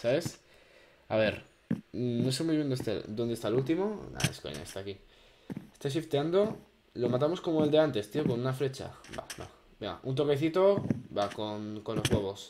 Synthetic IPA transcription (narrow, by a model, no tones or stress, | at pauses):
saβe̞s | a̰βe̞ɾ | noes̬emwuiβend̪est̪ḛd̪o̞nd̪est̪alult̪imo̞na̰ḛsko̰ɲa̰est̪aki | est̪as̬ift̪eand̪o̞ | lo̞mat̪̬amo̞sko̞moe̞ld̪e̞ant̪e̞st̪io̞ko̞nunafɾe̞t͡ʃa̰ba̰ba̰ | beŋɡa̰ʔunt̪o̞keθit̪o̞bakonko̞nlo̞zɣwe̞βo̞s